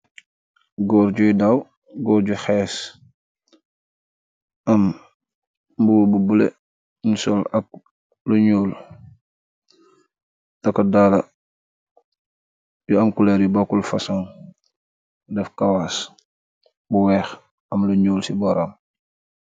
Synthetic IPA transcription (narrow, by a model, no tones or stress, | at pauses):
ɡɔːɾɟujdaw | ɡɔːɾɟuxɛːs | ʔɐm | buwbubulḛ | nusɔlɐk̚ | luɲoːl | tɐkɐdaːlɐ | juɐmkulɛɾjubakulfɐsɔŋ | dɛfkɐwas | buwɛːx | ɐmluɲoːlsibɔɾam